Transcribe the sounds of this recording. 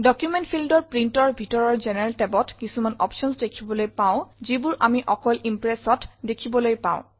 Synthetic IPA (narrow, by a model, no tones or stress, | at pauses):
dɔkjumentpʰildɔɹpɹintɔɹbʱitɔɹɔɹzenɛɹɛltɛbɔtkisumanɔ̰pʃɔnsdekʰibɔlojpaʊ̃zibuɹʔamiʔɔkɔlʔimpɹesɔtdekʰibɔlojpã̰ʊ̃